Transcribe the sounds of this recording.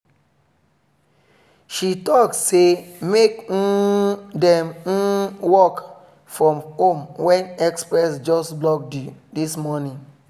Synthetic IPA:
ʃitɔksemek̩dɛ̃m̩wɔk | fɹɔ̃mhomwɛ̃nɛkspɹɛsd͡ʒɔsblɔk̚ddismɔnĩn

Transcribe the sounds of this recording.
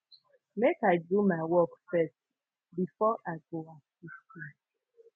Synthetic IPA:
mekaɪdumaɪwɔkfɛst | bifɔʔaɪɡoasisti

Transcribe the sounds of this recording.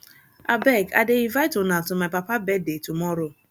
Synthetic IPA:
a̰bɛɡa̰deivajtonatʊmapapabɛdetumɔɾʊ

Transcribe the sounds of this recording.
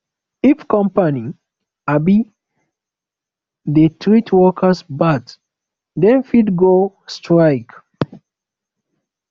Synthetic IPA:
ifkɔ̃mpani | abi | dətʰɹitʰwɔkʰəsbat | dɛ̃nfidɡo | stɹaɪk

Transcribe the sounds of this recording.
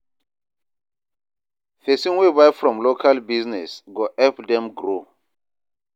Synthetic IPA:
fesĩnwebajfɹɔ̃mlokʰalbiznɛsɡɔʔɛpdɛ̃mɡɾo

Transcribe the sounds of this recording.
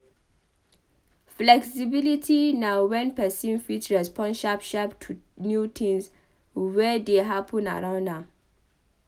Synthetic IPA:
flɛksibilitʰinawɛ̃npɛsĩnfitɹɛspɔ̃nʃapʃaptʰunjut̪ʰĩŋs | wɛdeɦapʰɔ̃na̰ɹãʊ̃na

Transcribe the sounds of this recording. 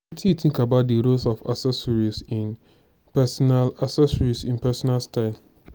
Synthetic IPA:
tʰitʰɪ̃ŋkabaʊt̚deɾosɔfa̰sɛsɔɹisĩn | pɛsɔnalasɛsɔɹisĩnpʰɛsɔnalstaɪl

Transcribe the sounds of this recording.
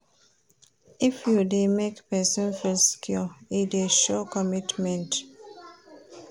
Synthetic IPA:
ifjudemekpɛsɔ̃nfilskʰjɔideʃɔkɔmitmɛ̃nt

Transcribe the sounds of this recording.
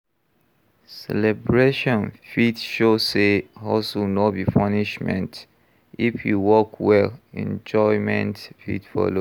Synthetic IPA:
sɛ̰lɛbɹeʃɔ̃nfitʃosehɔsunɔtbifɔniʃmɛ̰̃nt | ifjuwɔkʰwɛlɛ̰̃nd͡ʒɔɪmɛ̃ntfḭtfɔ̰lo

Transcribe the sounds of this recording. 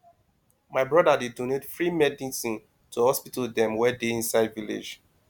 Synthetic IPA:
maɪbɹɔdadidonetfɹimɛdĩsĩn | tʰuhɔspitɔldɛ̃mwɛdeĩnsaɪdvilḛd͡ʒ

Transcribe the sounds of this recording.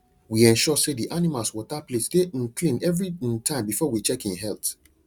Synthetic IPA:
wiɛ̃nʃɔsediʔanimalswɔtaplesdeʔĩnkʰlĩnɛvɹitʰãɪ̃mbifɔwit͡ʃɛkĩnɦɛlt

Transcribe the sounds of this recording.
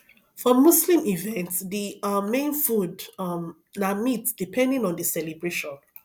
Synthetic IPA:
fɔ̃mːuslĩmivɛ̃ntsðiːẽnfudm | namitsd̥ipʰɛ̃ndĩnɔ̃ndəsɛlibɹeʃɔ̃n

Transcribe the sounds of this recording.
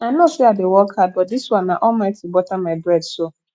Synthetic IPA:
ãnʊ̃sɛadɪwɔkʰat̚bɔt̚diswãnːãʔɔmaɪtʰibɔtʰamaɪbɾɛdso

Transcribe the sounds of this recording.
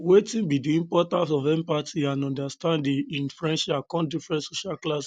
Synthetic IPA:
wetĩnbidiĩmpɔtãntɔvɛ̃mpatiãnɔ̃ndastãndĩĩnfɹɛ̃nʃakɔ̃ndifɹɛ̃ntsoʃalklas

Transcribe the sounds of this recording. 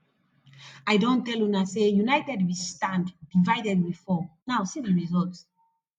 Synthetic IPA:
ajdõntɛlunasejunajtɛdwistãnddivajdɛd̚wifɔnawsiviɹizɔlt

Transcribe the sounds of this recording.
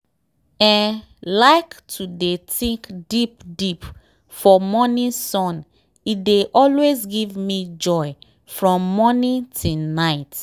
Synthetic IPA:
ɛ̃n | laɪktʰudetĩŋkdipdip | fɔmɔnĩsɔ̃n | ideʔɔlwezɡivmid͡ʒɔɪ | fɹɔ̃mːɔnĩntʰunaɪt

